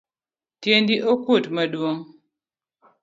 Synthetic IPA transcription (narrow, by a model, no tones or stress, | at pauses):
tjendiʔokutmɐɗwoŋ